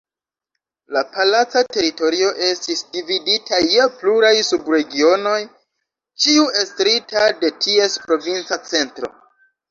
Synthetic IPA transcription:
lapalat͡sate̞ɾito̞ɾio̞ʔe̞stisdividitʰajepluɾajsubɾe̞ɡio̞no̞j | t͡ʃiue̞stɾitade̞tʰie̞spɾo̞vint͡sat͡se̞ntɾo̞̰

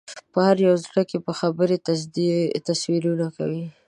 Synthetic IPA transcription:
pəhaɾjawzləkepəxabəɾet̪at̪aswiɾunaka̰wi

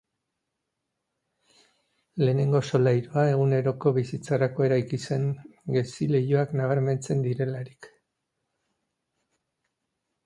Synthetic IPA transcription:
le̞ːne̞ŋɡo̞so̞lajɾoae̞ɣ̞une̞ɾo̞ko̞βisit͡saɾako̞e̞ɾajkise̞ŋɡe̞sile̞jo̞aknaβ̞aɾme̞nt͡se̞nd̪iɾe̞laɾik

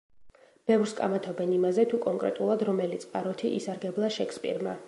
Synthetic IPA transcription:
b̥ɛvɾskʼa̰mat̪ʰɔbɛnimazɛt̪ʰukʼɔŋkʼɾɛ̰t̪ʼulˠad̪ɾɔmɛlit̪sʼqʼaɾɔt̪ʰiʔisaɾɡɛblˠaʃɛkʰspʼḭɾma

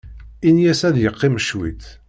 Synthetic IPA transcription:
injæsæðjəqːiməʃwḭt̪

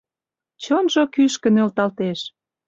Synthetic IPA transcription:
t͡ɕonʒokyʃkə̆nølt̪ɑlt̪eʃ

